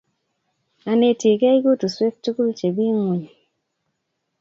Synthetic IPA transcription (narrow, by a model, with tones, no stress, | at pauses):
a˨ne˨ti˨kɛ˦i˦ɡo˦tu˨swe˦k̚t͡ʃu˦ku˦lt͡ʃe˨bi˦ŋu˨ɲi˨